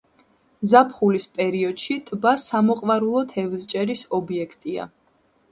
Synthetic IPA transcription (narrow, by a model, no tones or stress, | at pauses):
zapʰχulispʼɛɾiɔd̪̥ʃit̪ʼbasamɔqʼvaɾulˠɔt̪ʰɛvzt͡ʃʼɛɾisɔbiɛkʰt̪ʼia̰